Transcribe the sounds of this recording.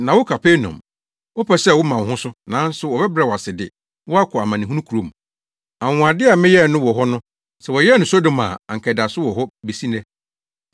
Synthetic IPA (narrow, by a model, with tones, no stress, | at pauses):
nã˨wʊ˦kʰa˨pʰe˦nɔ̰̃˨m | wɔ˦pʰɛ˦sɛ˦˨wʊ˦mã˨hʊ̃˦sʊ˦nã˨˦n̩˦sʊ˨wɔ˨bɛ˦bɾa˦˨wɔ˨a˨sɪ˨dɪ̰˨ | wɔ˦a˦kʰɔ˨a˨mã˨nɪ̃˨ɦũ˦nũ˦kʰɾo˨m˨ | a˨ŋʊ̃˨a˨dɪ˦a˨mɪ̃˦jɛ˦˨nʊ̃˦wɔ˨ɦɔ˦nʊ̃˦ | sɛ˨wɔ˨jɛ˦nʊ̃˨so˦dõ˨mã̰˨a˨ŋ̩˨kʰɛ˨da˨sʊ˦wɔ˨ɦɔ˦be˨si˦nɛ̃˦